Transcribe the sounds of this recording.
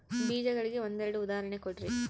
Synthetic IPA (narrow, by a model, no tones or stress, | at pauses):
biːd͡ʒɐɣɐɭɯkːɯɔnd̪ɐɾɐɽɯʊðaːɾɐnɛkːɔʈːri